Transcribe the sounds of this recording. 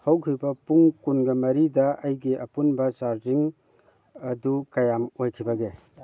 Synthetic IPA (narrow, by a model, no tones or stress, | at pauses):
howkʰujbɐpuŋkunɡɐmɐɾidɐʔɐjɡiʔɐpunbɐsaɾd͡ʒiŋ | ɐdukɐjamojkʰibɐɡe